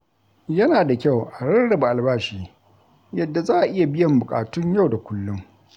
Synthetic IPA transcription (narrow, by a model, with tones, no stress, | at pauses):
jɐ˦naː˨da˨kʲa˦˨wʔa˨ɽɐ˦ɽɽɐ˨ba˨ʔa˨lbaː˦ʃiː˦˨ | jɐ˨dːa˨zaː˦ʔa˨ʔɪ˦ja˨bɪ˦jɐ˨mbʊ˨kʼa̰ː˨tʊ˦ɲja˦wda˨kʷʊ˦lːʊ˦ŋ